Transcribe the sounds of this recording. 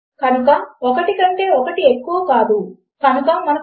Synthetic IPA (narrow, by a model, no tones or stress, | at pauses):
kɐnukaɔkɐʈikɐɳʈe̞ːɔkɐʈiekːuʋɐkaːd̪u | kɐnukɐmɐnɐ